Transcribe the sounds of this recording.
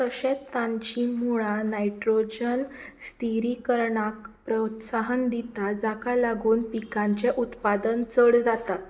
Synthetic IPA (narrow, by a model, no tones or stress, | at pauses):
t̪əɕẽt̪ːãɲt͡ɕimuɭanajʈɾod͡ʑənst̪iɾikəɾɳakpɾət̪saɦənd̪it̪ad͡zakalaɡuːnpikãɲt͡ɕeʔut̪pad̪ənt͡səɽd͡zat̪at̪